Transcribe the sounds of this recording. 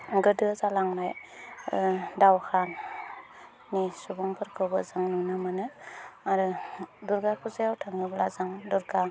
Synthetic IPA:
ɡɯdɯzalaŋnaj | dawhan | isubɔŋpʰɯɾkʰɯwbɯzaŋnunɯmanɯaɾɯduɾɡakʰuzajawtʰaŋɯblazaŋduɾɡa

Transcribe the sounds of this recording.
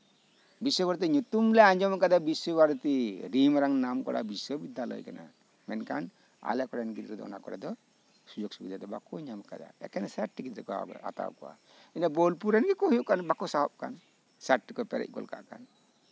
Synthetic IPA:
biswɔbaɾt̪̬iɲut̪umlɛãɲd͡ʒɔmkad̪abiswɔbaɾt̪iɾimɾaŋnamkɔ̰ɽa̰biswɔbid̪alɔ̰jkana̰ | mɛnkan | a̰lɛkɔɽɛnɡit̪ɾɛd̪ɔ̰nakɔɾɛ̰d̪ɔ | sud͡ʒok̚subid̪ʱad̪ɔbakɔɲamka̰d̪a̰ɛ̰kɛnsaʈːikid̪ɾɛkɔa̰a̰t̪a̰wkɔwa̰ | inabɔlpuɾɛnɡikɔɦujuʔkanbakɔsaɦɔp̚ka̰n | sɛʈːikɔpɛɾɛ̰c̚ˀkɔ̰lka̰ʔka̰n

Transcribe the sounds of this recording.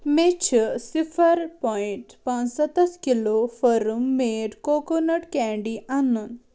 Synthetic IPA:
met͡ɕʰəsifʰəɾpɔiɳʈpãnsɔt̪ɐskilofəɾumːeʈkokonəʈkɛ̃ɳɖiʔanun

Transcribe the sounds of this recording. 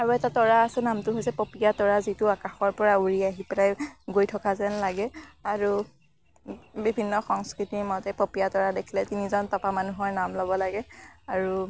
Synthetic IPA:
aɹuɛtatɔɹaːsɛnamtʊɦojsɛpopijatɔɹazitʊakaxɔɹpɔɹauɹiaɦipɛlajɡojtʰɔkazɛnlaɡɛaɹu | bibʱinːɔxɔŋskɹitimɔtɛpopijatɔɹadekʰilɛtinizɔntɔpamanuɦɔɹnamlɔbɔlaɡɛaɹu

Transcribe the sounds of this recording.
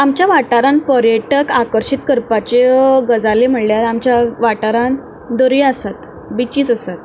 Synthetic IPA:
amt͡ɕjaʋaʈaɾanpəɾjəʈəkakəɾɕit̪kəɾpat͡ɕeɡəd͡zalem̤əɽljaɾamt͡ɕjaʋaʈaɾan | d̪oɾjasat̪ | bit͡ɕiːt͡səsat̪

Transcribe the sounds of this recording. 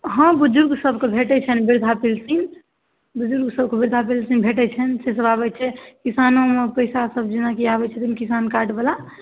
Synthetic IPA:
ɦə̃bud͡ʒuɾɡsəbʱkebʱeʈɛt͡ʃʰɛnbiɾd̪ʱapilsin | bud͡ʒuɾɡsəbkebiɾd̪ʱap̬ilsinbʱeʈɛt͡ʃʰɛnses̬əbabɛt͡ʃʰɛkisanomepəjsasəbd͡ʒinakiabɛt͡ʃʰɛt̪imkisankaɖbela

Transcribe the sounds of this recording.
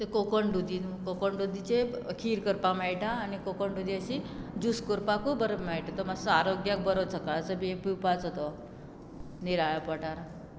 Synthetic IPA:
t̪ekokəɳɖud̪inkokəɳɖud̪it͡ɕekʰiːɾkəɾpamaɭʈaːnikokəɳɖud̪iəɕid͡ʑuskəɾpakobəɾəbmaɭʈat̪əmasəaɾoɡjak̚bəɾət͡sʰəkaɭət͡səbiepiwpat͡sɦot̪o | niɾaɭapəʈaɾ

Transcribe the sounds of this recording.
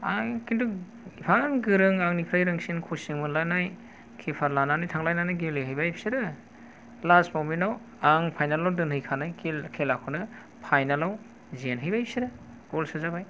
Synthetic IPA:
aŋkindu | ipʰaŋɡɯɾɯŋaŋnipʰɾajɾɯŋsinkʰosiŋmɯlanaj | kʰepʰaɾlananajtʰaŋlajnanajɡelɯɦɯjbajpʰi̥siɾɯ | lasmɔminaw | aŋpʰajnalawdɯnhɯjkʰanajkkʰelakʰɯnɯ | pʰajnalaw | zenɦɯjbajpʰisiɾɯ | ɡ̥olsɯzabaj

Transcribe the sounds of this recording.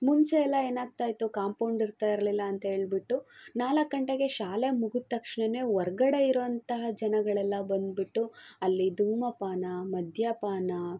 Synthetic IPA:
muɲt͡ʃeɛlːɐe̞ːnaːɡ̚t̪aːjt̪ukaːmpɐwɳɖiɾt̪aːjiɾɐlilːɐːnt̪ɐɦeːɭbiʈːunaːlɐkːɐɳʈeɡe̞ʃaːlemuɡut̪ːɐkʂɳene̞ʋɔɾɡɐɽe̞iɾɔɐnt̪ɐɦɐd͡ʒɐnɐɡɐɭɛlːɐbɐnd̪biʈːuɐlːid̪uːmɐpaːnɐmɐd̪ʱjɐpaːnɐ

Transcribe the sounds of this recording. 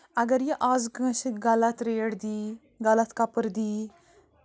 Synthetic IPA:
ɐɡəɾjeʔaːzɡɐ̃ʃiɡɐlɐt̪ɾeːɽd̪iː | ɡɐlat̪kɐpəɾd̪iː

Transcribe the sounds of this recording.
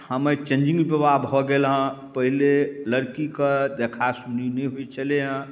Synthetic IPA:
həmet͡ʃẽnd͡ʒĩŋɡpəbabɦoɡelɦə̃pəɦileləɾkikəd̪ekʰasuninəiɦuit͡ʃʰəleɦə̃

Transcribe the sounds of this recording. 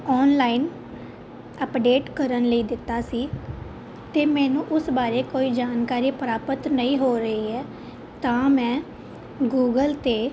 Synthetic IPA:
ɔːnlaːiːn | əpɖeːʈkəɾənləiːd̪ɪt̪ːaːsiː | t̪eːmɛ̃ːnũːʔʊsbaːɾeːkoːiːd͡ʒaːnkaːɾiːpɾaːpət̪nəĩːɦoːɾəiːɛː | t̪ãːmɛ̃ː | ɡuːɡəlt̪eː

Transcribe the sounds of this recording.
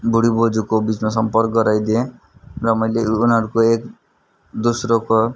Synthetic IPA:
bʱuɽibod͡zukobit͡smasʌmpʌrk̚ɡʌɾajd̪iẽ | rʌmʌjleunɦʌɾukoek | d̪usɾoko

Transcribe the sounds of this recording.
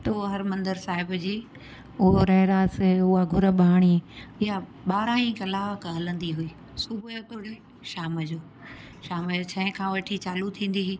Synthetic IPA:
t̪ɐoɦɐɾmɐ̃nd̪əɾsaːɦɪbd͡ʑiː | ʊɦoɾɐɦɪɾaːsʊɦaɡʱʊɾə̆ɓʱaːɽ̃iɪja | ɓaːɾãĩkɐlaːʋkɦɐlə̃nd̪iɦʊiː | subjot̪ʊɽe | ʃaːməd͡ʑoː | ʃaːmd͡ʑoːt͡ɕʰɐɦɪ̃kʰãːʋɐʈʰit͡ɕaːlut̪ʰĩːn̆d̪iɦiː

